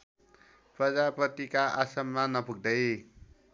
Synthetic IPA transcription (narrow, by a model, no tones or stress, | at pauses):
prʌd͡zaprʌt̪ikaʔasʌmːanʌpuɡ̚d̪ʌj